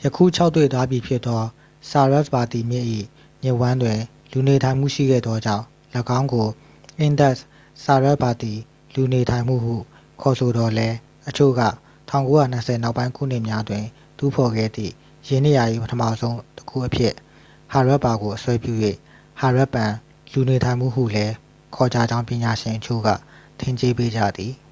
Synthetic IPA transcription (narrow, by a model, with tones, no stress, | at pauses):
jəkʰṵ˦˨t͡ɕʰa˦ʊt̪ːwe˦˨t̪wa˦bji˨pʰjɪ˦t̪ːɔ˦ | sa˨ɹɛ˦˨sba˨t̪i˨mjɪ̃˦ʔḭ˦˨ | ɲɪ̃˨wã˦ndwɪ̃˨ | lu˨ne˨tʰã˨ɪ̃m̥ṵ˦˨ʃḭ˦˨ɡɛ̰˦˨d̪ðɔ˦d͡ʑã̰˦˨ʊ̃ | ləɡã˦ʊ̃ŋɡo˨ | ʔɪ̃˦nd̪ɛ˦˨ʔ | sa˨ɹɛ˦ʔ̚ba˨t̪i˨ | lu˨ne˨tʰã˨ɪ̃m̥ṵ˦˨hṵ˦˨ | kʰɔ˨so˨d̪ɔ˨lɛ˦ | ʔət͡ɕʰo̰˦˨ɡä̰˦˨ | tʰã˦˨ʊ̃ŋko˦ja˦˨n̥əsʰɛ˨na˦ʊpːã˦ɪ̃kʰṵ˦˨n̥ɪ˦ʔmja˦ʔət̪wɪ̃˨ | t̪ṵ˦˨pʰɔ˨ɡɛ̰˦˨d̪ðḭ˦˨ | jɛ˨nɪ˦˨ja˨ʔḭ˦˨pətʰə˦mä̰˦˨zõ˦ʊ̃tə̥kʰṵ˦˨ʔəpʰjɪ˦˨ʔ | ha˨ɹɛ˦ʔpa˨ɡo˨ʔəswɛ˦pjṵ˦˨jwḛ˦˨ | ha˨ɹɛ˦ʔpːã˨ | lu˨ne˨tʰã˨ɪ̃m̥ṵ˦˨ɦṵ˦˨lɛ˦ | kʰɔ˨d͡ʑa˨d͡ʑã˦ʊ̃mpjɪ̃˨ɲa˨ʃɪ̃˨ʔət͡ɕʰo̰˦˨ɡa̰˦˨tʰẽ˦˨ɲt͡ɕe˦pe˦d͡ʑä̰˦˨d̪ði˨